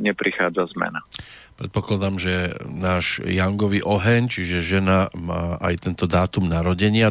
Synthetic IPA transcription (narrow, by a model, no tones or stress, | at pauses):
ɲɛpɾixaːd͡zazmɛ̰napɾɛt̪̚pɔklad̪amʒɛnaːʒjaŋɡɔʋiːʔɔɦɛɲt͡ʃiʒɛʒɛnamaːʔa̰jt̪ɛnt̪ɔd̪aːt̪umnaɾɔɟɛɲɪa